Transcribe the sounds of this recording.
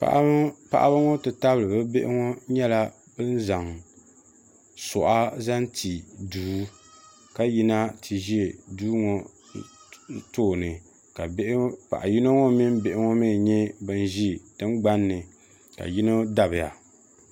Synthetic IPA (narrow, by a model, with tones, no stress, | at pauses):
pa̰˨ʔpa̰˨ʔa̰˦ba˦ŋɔ˦tɨ˨ta˦blɨ˨bɨ˦be˦ʔɪ̰˦ŋɔ˦ɲɛ˦la˦ | bɨ˦n˦za˨ŋ | sɔ˨ʔa˦za˦n˦ti˨duː˦ | ka˦ji˨na˦tʰi˨ʒi˦e˨duː˦ŋo˨ | toː˦˨nɨ˨ | ka˨bʔpa̰˨ʔa˨ji˦no˦ŋo˦mi˦m˦be˨ʔɪ˦ŋɔ˦mi˦˨ɲɛ˦bɨ˨n˦ʒi˦˨tɨ˦ŋ˦ɡ͡ba˦nːɨ˨ | ka̰˨ji˦no˦da˨bɨ˨ja̰˨